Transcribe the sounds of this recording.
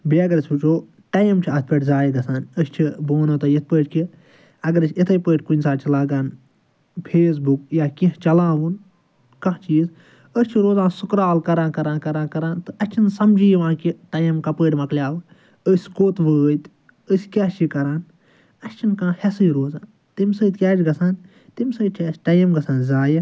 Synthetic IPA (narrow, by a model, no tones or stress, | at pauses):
biɐɡɐɾɐsʲut͡ʃʰoː | ʈɐjmt͡ʃʰiɐt̪̚ʰpəʈʲzaːjid̪ɐsaːnəsʲt͡ʃʰiboːnoːt̪ɐjit̪̚ʰpəːʈʲki | ɐɡɐɾt͡ʃʰit̪ʰɐjpəːʈʲkunʲsaːt͡ʃʰilaːɡaːn | pʰeːs̬bukjaːkĩɦt͡ʃɐlãːʋun | kɐt͡ʃiːz | əst͡ʃʰiɾoːzãːnsukɾaːlkɐɾãːkɐɾãːnkɐɾãːnkɐɾãːnt̪ɨɐst͡ʃʰinsɐmd͡ʒiːjʋãːnkiʈɐjmkɐpəːʈʲmɐklʲjaːl | əsʲkoːt̪ʋəːt̪ʲ | əsʲkʲaːt͡ʃʰikɐɾaːn | ɐst͡ʃʰinkãːhesɨjɾoːzaːn | t̪imsəːt̪kʲaːd͡ʒɡɐsaːn | t̪imsəːt̪̚t͡ʃʰaːsʈɐjmɡɐsaːnzaːji